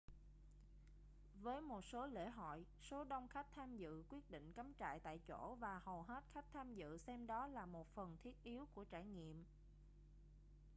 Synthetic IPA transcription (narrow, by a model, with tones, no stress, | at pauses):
vəː˨˦jmo˨˩t̚so˨˦lḛ˧˩ɦɔ̰˧˨j | so˨˦ɗə˧wŋ͡mxa˦˥k̚t̪ʰaː˧mzɨ̰˧˨kwi˦˥ət̚ɗḭ̈˧˨ŋ̟kə˨˦mt͡ɕa̰ː˧˨jt̪a̰ː˧˨jt͡ɕo˧˩vaː˨˩hə˨˩wɦe˦˥t̚xa˦˥k̟̚t̪ʰaː˧mzɨ̰˧˨sɛ˧mɗɔ˨˦laː˨˩mo˨˩t̚fə˨˩nt̪ʰi˦˥ət̚ʔi˨˦əwku˧˩ət͡ɕaː˧˩jɲḭ˧˨əm